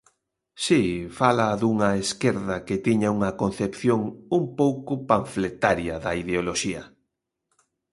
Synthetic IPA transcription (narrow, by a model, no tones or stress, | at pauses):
sifalaðuŋɐeskeɾðɐket̪iɲauŋɐkon̟θepθjoŋumpowkʊpaɱflet̪aɾjɐðɐiðeoloʃiɐ